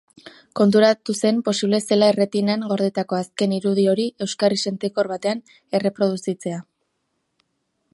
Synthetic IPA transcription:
ko̞nt̪̬uɾat̪use̞mpo̞siβle̞se̞laere̞t̪inaŋɡo̞ɾðet̪ako̞aske̞niɾuð̞io̞ɾie̞wskarise̞nt̪eko̞ɾβat̪e̞an | e̞re̞pɾo̞ð̞usit͡se̞a

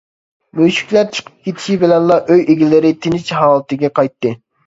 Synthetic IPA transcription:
møʃy̥kʲlæɾt͡ʃʰə̥qʰə̥p̚kʲʰet̪ʰɪ̥ʃibɪlɛnlˠɑʔøjeɡʲilɪɾɪt̪ʰɪnɪt͡ʃɦɑːlˠɨt̪ɨɡʲɛqɑjt̪ːɨ

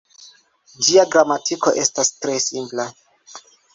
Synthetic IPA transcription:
d͡ʒiaɡɾamatʰiko̞ʔe̞stastɾe̞simpla

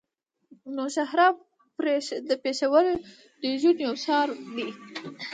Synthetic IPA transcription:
noʃahɾɑ | pɾed̪əpeʃawəɾ | d̪̥əʒunjawsɑɾwi

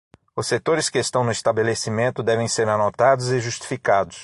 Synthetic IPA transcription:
ʊsːet̪oɾɪskɪest̪ɐ̃w̃nʊist̪abelesimẽnt̪ʊd̪ɛvẽj̃seɾanot̪ad̪ʊzɪʒust͡ʃi̥fikad̪ʊs

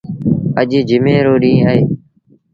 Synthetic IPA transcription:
əʄɪːd͡ʒɪmẽːɾoːɗĩːəɦeː

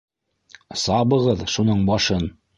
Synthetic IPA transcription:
sɑβɤ̆ʁɤðʃunɤɴbɑʃɤn

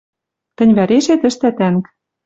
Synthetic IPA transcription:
t̪ɘ̆nʲβæɾeʃet̪ɘ̆ʃt̪æt̪æŋk

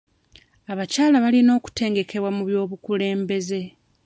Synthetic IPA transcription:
aβacaːlaβalino̞ːku̥te̞ːŋɡe̞kʰe̞βwamuβjo̞ːβukule̞ːmbe̞ze̞

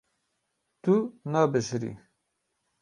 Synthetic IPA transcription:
t̪unɑːbəʃɾḭ

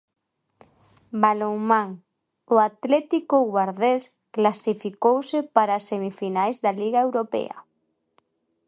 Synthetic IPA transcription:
baloŋmãŋ | ʊat̪lɛt̪ikoɣwaɾðes | klasifikowsepaɾasemifinajzðaliɣaewɾopḛa̰

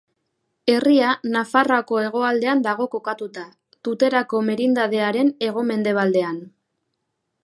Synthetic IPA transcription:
e̞rianafarako̞e̞ɣ̞o̞ald̪e̞and̪aɣo̞ko̞kat̪ut̪a | t̪ut̪e̞ɾako̞me̞ɾind̪að̞e̞aɾe̞ne̞ɣ̞o̞me̞nd̪e̞β̞ald̪e̞an

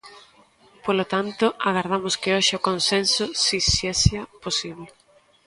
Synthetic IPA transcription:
polot̪ant̪ʊaɣaɾðamʊskɪoʃɪokonsensʊsisesjaposiβlɪ

